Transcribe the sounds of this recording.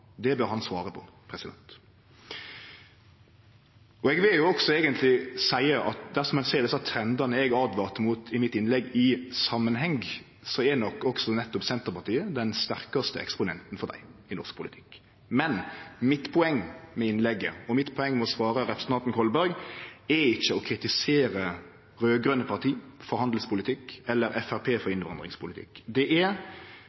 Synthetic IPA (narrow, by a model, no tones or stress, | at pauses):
d̪ɛbøːɾhɑnsʋɑːɾəpʰɔpʰɾɛsɪd̪ɛ̰nt̪ | ɔɛɡʋɪljʊɔksɔeːɡənt̪ʰlɪsæɪəʔɑ̰t̪̚d̪æɾsɔmhɛnsæːɾd̪ɛsɑt̪ʰɾɛnd̪ɑnəɛɡɑːd̪ʋɑːʁt̪muːt̪ʰɪmɪt̪ːɪnlɛɡːɪsɑmːənɦɛŋɡ | sɔɛnɔkːɔksɔnɛt̪ːʊpsɛnt̪əʁpɑʁt̪ʰiːəd̪ɛnst̪æɾkɑst̪ə̰ɛ̰kspʊnɛnt̪nfɔɾd̪æ̰ɪɪnɔʁsk̚pʰʊlɪt̪ʰɪ̥k | mɛnmɪt̪pʰʊɛŋːmɛɪnlɛɡːə̰ɔmɪt̪ːpʰɔɛŋːmɛɔsʋɑːɾəɾɛpɾəs̩ɑnt̪n̩kʰɔlbæɾɡɛɾɪçːəɔkʰɾɪt̪ɪseːɾə | ɾøːɡɾœnːəpʰɑʁt̪ʰiːfɔɾhɑnd̪l̩spʊlɪt̪ʰɪkɛlːəɾʔɛfæɾpʰeːfɔɾɪnʋɑnd̪ʁɪ̰ŋspʰʊlɪt̪ʰɪ̰kd̪ɛʔɛɾ